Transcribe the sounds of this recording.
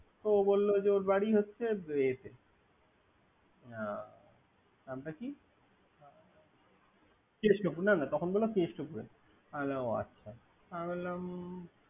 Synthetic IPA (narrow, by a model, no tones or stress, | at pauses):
t̪obolːod͡ʑeoɾbaɽiɦotːɕʰeet̪e | a | amʈaki | kesʈopuɾnanat̪ɔkʰonbolːokeʃʈopuɾe | alaa̰tːɕʰa | amelam